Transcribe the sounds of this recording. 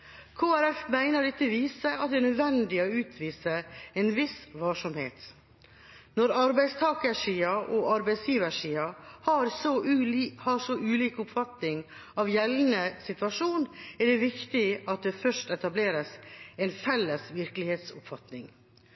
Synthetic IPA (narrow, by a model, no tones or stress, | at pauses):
kʰoːæɾɛfmæɪnəɖɛt̪ːəʋiːsəɑt̪̚d̪ɛnœd̪ʋɛnd̪ɪɔʉːt̪ʰʋiːsəɛnʋɪsʋɑːʂɔmhḛːt̪ | nɔɾɑɾbæɪst̪ʰɑːkəʂiːɑʔɔʔɑɾbæɪsjiːʋəʂiːɑhɑɾsɔhɑsɔʔʉːliːkʊpfɑt̪nɪŋ | ɑʋjɛlnəsɪt̪ʉʋɑʂuːnɛɖɛʋɪkt̪ɪɑt̪̚d̪ɛfœʂtɛt̪ɑbleːɾəsɛnfɛlːəsʋɪɾklɪheːt̪sʊpfɑt̪nɪŋ